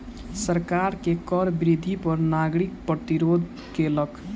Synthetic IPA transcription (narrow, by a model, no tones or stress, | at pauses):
səɾkaɾkekəɾbɾid̪ʱipəɾnaɡɾik̚pɾət̪iɾod̪ʱ | kelək